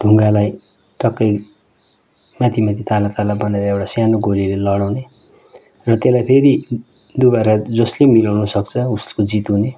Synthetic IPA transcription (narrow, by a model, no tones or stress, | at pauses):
ɖʱuŋɡalaj | ʈʌkːʌj | mat̪ʰimat̪ʰit̪alat̪alabʌnaeɾʌewʈasjanoɡolilelʌɽawne | rʌt̪jelajpʰeɾi | d̪ubaɾad͡zʌslemilawnʌsʌkt͡sʰʌuskod͡zit̪une